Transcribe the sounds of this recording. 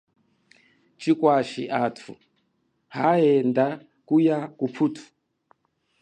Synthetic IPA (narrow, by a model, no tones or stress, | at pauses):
t͡ʃikwaʃiʔatʰṵ | haɛnda | kujakupʰutʰu̥